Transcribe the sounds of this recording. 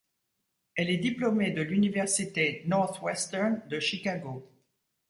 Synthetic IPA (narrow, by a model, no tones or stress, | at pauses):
ɛlɛd̪iplomed̪əlynivɛʁsit̪enɔʁt̪wɛst̪ɛʁnd̪əʃikaɡo